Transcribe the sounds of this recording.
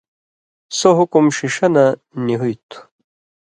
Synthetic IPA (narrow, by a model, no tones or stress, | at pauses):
soɦukumɕiʂɐna | niɦujt̪ʰu̥